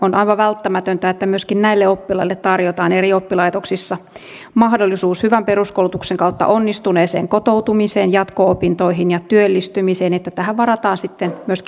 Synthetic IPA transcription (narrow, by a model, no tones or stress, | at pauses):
onʔɑiʋɑʋælt̪ːæmæt̪ønt̪æet̪ːæmyøskinnæilːeopːilɑilːet̪t̪ɑrjot̪ɑːneriopːilɑit̪oksisːɑ | mɑhdolːisuːshyʋæmperuskoulut̪ukseŋkɑut̪ːɑ̰ʔonːist̪uneːsḛːŋkot̪out̪umiseːnjɑt̪koopint̪oiɦinjɑt̪yølːist̪ymiseːnet̪ːæt̪æhæʋʋɑɾɑt̪ɑːnsit̪ːenmyøsk